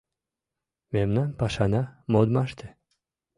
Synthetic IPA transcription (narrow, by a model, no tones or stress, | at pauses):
memnanpaʃanamod̪maʃt̪ɪ